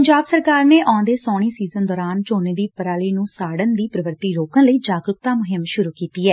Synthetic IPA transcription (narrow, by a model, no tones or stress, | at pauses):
əɲd͡ʒaːbsəɾkaːɾneːʔɔ̃ːãːd̪eːsɔːɽ̃iːsiːzənd̪ɔːɾaːnt͡ʃoːneːd̪iːpəɾaːliːnũːsaːɽənd̪iːpɾəʋəɾt̪iːɾoːkãːləiːd͡ʒaːɡɾʊk̚t̪ãːmʊɦɪmʃʊɾuːkiːt̪iːɛː